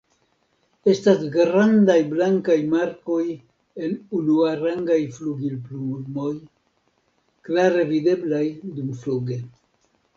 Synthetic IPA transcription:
e̞stasɡɾandajblaŋkajmaɾko̞j | e̞nunuaɾaŋɡajfluɡilp̬lumo̞j | klaɾe̞vide̞blajdumfluɡe̞

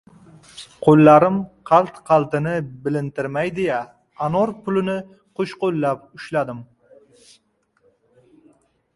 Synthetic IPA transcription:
qʰolːaɾɪmqʰɑlˠt̪qʰɑlˠt̪ɪnɪbɪlɪnt̪ɪɾmajd̪eja | anoɾpʊlɪnɪ | qʰoʃqolːap̚ʊʃlad̪ɪm

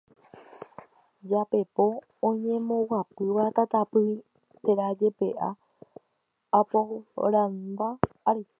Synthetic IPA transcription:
d͡ʒape̞põ̞ː | ɲẽ̞mõ̞wapɨʋat̪at̪apɨi | t̪e̞ɾad͡ʒe̞pe̞ʔa | apoɾãnbaː | ɾi

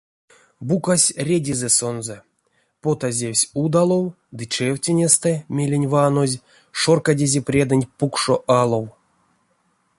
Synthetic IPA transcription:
bukasʲrʲedʲizɛso̞nzɛ | pot̪azʲewʲsʲud̪alˠo̞w | d̪ɨt͡ʃɛwʲtʲenʲest̪ɛmʲelʲenʲvano̞zʲ | ʂorkadʲezʲeprʲed̪ɨnʲpukʂoʔalˠo̞w

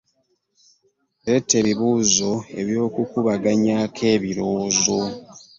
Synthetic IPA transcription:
eɾe̞tːe̞βiβuːzo̞e̞̰βjo̞ːkukuβaɡaɲakʰe̞ːβiɾo̞ːzo̞

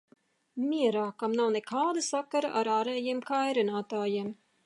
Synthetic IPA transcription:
miɛɾaːkamnawnɛkʰaːd̪asakaɾaʔaɾaːɾɛːjiɛmkajɾinaːt̪aːjiɛm

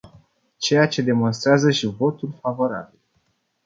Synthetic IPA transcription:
t͡ʃe̞jat͡ʃe̞d̪e̞mo̞nst̪ɾeazəʃivo̞t̪ulfavo̞ɾa̰bil

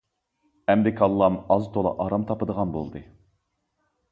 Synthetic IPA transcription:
ɛmɾɪkʰɑlˠːɑmɑzt̪ʰolˠɑ̰ʔɑɾɑmt̪ʰɑpəd̪əʁɑnbo̰lˠd̪ɨ

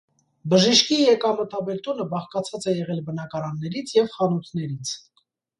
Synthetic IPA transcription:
bəʒiʃkijɛkɑmət̪ɑbɛɾt̪unəbɑχkɑt͡sʰɑt͡sɛjɛʁɛlbənɑkɑɾɑnːɛɾit͡sʰjɛvχɑnut̪ʰnɛɾit͡sʰ

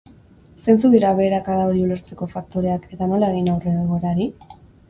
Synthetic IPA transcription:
se̞nt͡suɣiɾaβe̞ːɾakaðaoɾiule̞ɾt͡se̞ko̞fak̚t̪o̞ɾe̞ake̞t̪ano̞lae̞ɣ̞inawre̞ɣoɾaɾi

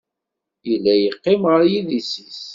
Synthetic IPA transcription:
jəlːæjəqːɪmʁəɾjiðisis

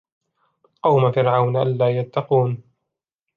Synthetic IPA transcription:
qɑwmafɪɾʕawnʔa̰nlaːjat̪ːɑquːn

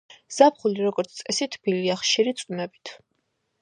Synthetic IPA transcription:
z̥ap̚χuliɾɔɡɔɾt̪sʰt̪sʼɛsit̪ʰb̥iliaχʃiɾit̪sʼunɛbit̪ʰ

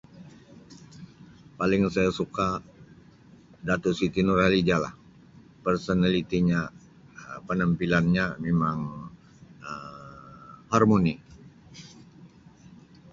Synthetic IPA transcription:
palɪŋsajasuka | dat̪usit̪inurhalid͡ʒala̰h | pərsonalit̪iɲa | pənəmpilanɲamemaŋ | ə | harmoni

